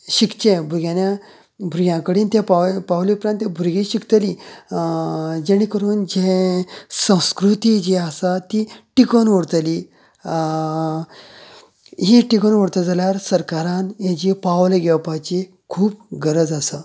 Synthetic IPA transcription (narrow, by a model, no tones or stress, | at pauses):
ɕikt͡ɕẽbʱuɾɡjanja | bʱuɾɡʲjãkəɽiːnt̪apapawliupɾant̪jẽbʱuɾɡeɕikt̪əli | d͡ʑeɽ̃ikəɾuːnd͡ʑẽ | sə̃w̃skɾut̪id͡ʑiasat̪iʈikonʋəɽt̪əli | ɦiʈikənʋəɽt̪əd͡zaljaɾsəɾkaɾãnjẽd͡ʑipawleɡɛwpajt͡ɕe | kʰuːp̚ɡəɾəd͡zasə